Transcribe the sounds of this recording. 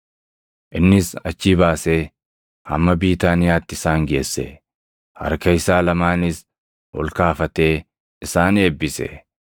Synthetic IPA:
ʔɪnːɪsɐt͡ʃːiːbaːseː | hɐ̰mːɐbiːt̪aːnɪjaːt̪ːɪɪsaːŋɡe̞ːsːɛ̰ | hɐ̰ɾkɐjɪsaːlɐmaːnɪs | hɔ̰lkaːfɐt̪e̞ː | ɪsaːne̞ːbːɪsɛ̰

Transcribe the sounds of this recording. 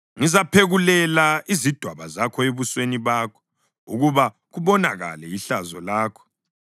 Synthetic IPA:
ŋizapʰeɣulɛlaizid̥ʱwaβazakʰɔeβusweniβaːkʰɔ̥ | ṵɣuβa | ɣuβɔnaɣa̰lɛjiɬazɔlaːkʰɔ̥

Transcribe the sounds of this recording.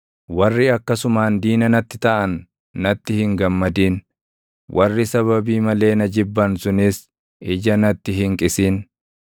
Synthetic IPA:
wɐrːɪɐkːɐsʊmaːnd̪iːnɐnɐt̪ːɪ̥t̪ɐʔɐnː | ɐt̪ːɪhɪŋɡɐmːɐd̪iːn | wʔɐrːɪsɐβɐbiːmɐle̞ːnɐd͡ʒɪbːɐnsʊnɪs | ʔɪd͡ʒɐnɐt̪ːɪɦɪŋkʼɪsiːn

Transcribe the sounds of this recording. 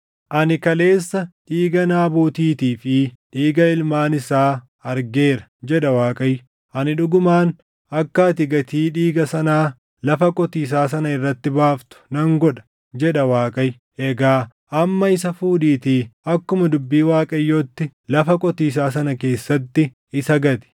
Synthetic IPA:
ʔɐnɪkɐle̞ːsːɐᶑiːɡɐnaːbuːt̪iːt̪iːfɪᶑiːɡɐɪlmaːnɪsaː | ɐɾɡe̞ːɾɐ̥d͡ʒɛᶑɐwaːkʼɐj | ʔɐnɪᶑʊɡʊmaːn | ʔɐkːaːt̪ɪɡɐt̪iːᶑiːɡɐsɐnaː | lɐfɐkʼɔt̪iːs̬aːs̬ɐnɐɪrːɐt̪ːɪbaːft̪ʊ̥nɐŋɡɔᶑɐ̥ | d͡ʒɛᶑɐwaːkʼɐj | ʔɛɡaː | ʔɐmːɐɪsɐfuːᶑiːt̪iːɐkːʊmɐd̪ʊbːiːwaːkʼɐjːoːt̪ːɪlɐfɐkʼɔt̪iːs̬aːsɐnɐke̞ːsːɐt̪ːɪ | ɪsɐɡɐt̪ɪ̥

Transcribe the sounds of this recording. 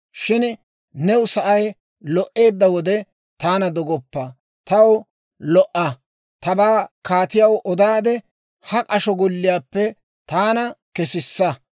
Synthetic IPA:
ʃɪn | nɛwʊsɐʔɐj | lɔʔe̞ːd̪ːɐwɔd̪ɛ | t̪aːnɐd̪ɔɡɔpːɐ | t̪ɐw | lɔʔɐ | t̪ɐbaːkaːt̪ɪjɐwʔɔd̪aːd̪ɛ | hɐkʼɐʃɔɡɔlːɪjaːpːɛ | t̪aːnɐkɛsɪsːɐ

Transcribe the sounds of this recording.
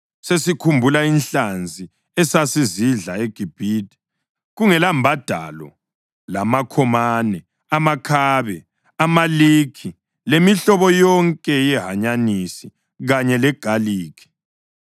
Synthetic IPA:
sesikʰumbʱulainɬand͡zʱi | ɛsasiziɮaeɡ̥ʱib̥ʱiːdʼi̥ | ɣuŋɛlambʱad̥ʱa̰lɔ̰ | lamakʰɔmanɛ | amakʰaːβɛ | amaliːkʰi | lemiɬɔβɔjɔŋkʼɛjɛɦaɲanisi | ɣaɲɛlɛɡ̥ʱaliːkʰi̥

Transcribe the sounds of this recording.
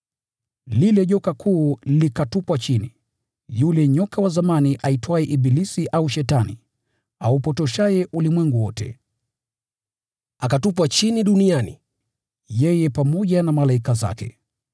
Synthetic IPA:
lilɛʄɔkakʰuːlikatupwat͡ʃini | julɛɲɔkawazamaniʔaitwaɛʔibilisiʔauʃɛtanḭ | aupɔtɔʃajɛʔulimwɛŋɡuwɔtɛ̰ | akatup̬wat͡ʃiniɗunianḭ | jɛjɛpamɔʄanamalaikaza̰kɛ̰

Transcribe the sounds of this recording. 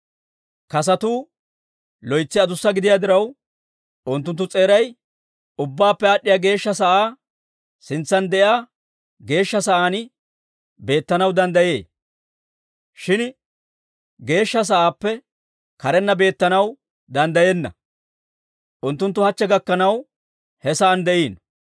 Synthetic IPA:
kɐs̬ɐt̪uː | lɔjt͡sːɪɐd̪ʊsːɐɡɪd̪ɪjaːd̪ɪɾɐw | ʔʊnt̪ːʊnt̪ːʊt͡sʼe̞ːɾɐj | ʊbːaːpːɛaːɗːɪjaːɡe̞ːʃːɐs̬ɐʔaː | sɪnt͡sːɐnd̪ɛʔjaː | ɡe̞ːʃːɐsɐʔaːn | be̞ːt̪ːɐnɐwd̪ɐnd̪ɐje̞ː | ʃɪn | ɡe̞ːʃːɐs̬ɐʔaːpːɛ | kɐɾɛnːɐbe̞ːt̪ːɐnɐw | d̪ɐnd̪ɐjeːnːɐ̰ | ʔʊnt̪ːʊnt̪ːʊhɐt͡ʃːɛɡɐkːɐnɐw | hɛsɐːnd̪ɛʔiːn

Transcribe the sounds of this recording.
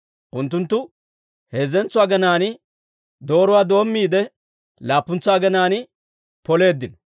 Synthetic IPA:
ʔʊnt̪ːʊnt̪ːʊ | heːzɛnt͡sʊwaːɡɐnaːnɪ | d̪o̞ːɾʊwaːd̪o̞ːmːiːd̪ɛ | laːpːʊnt͡sʊaːɡɛnaːnɪ | pɔle̞ːd̪ːɪn

